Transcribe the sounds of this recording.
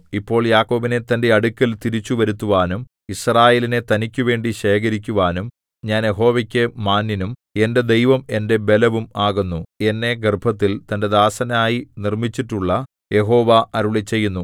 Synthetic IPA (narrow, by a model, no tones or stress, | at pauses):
ipːo̞ːɭjaːkːo̞ːʋine̞t̪ɐnde̞ɐɽukʲːɐlt̪iɾit͡ɕːuʋɐɾut̪ːuʋaːnum | israːje̞ːline̞t̪ɐnikʲːuʋe̞ːɳɖiɕe̞ːk̬ɐɾikʲːuʋaːnum | ɲaːnje̞ɦo̞ːʋɐkʲːemaːnːinume̞nde̞d̪ejʋɐme̞nde̞be̞lɐʋumaːɣunːue̞nːe̞ɡerbʱɐt̪̬ːilt̪ɐnde̞d̪aːsɐnaːjinirmit͡ɕːiʈːuɭːɐ | je̞ɦo̞ːʋɐɐɾuɭit͡ɕːe̞jːunːu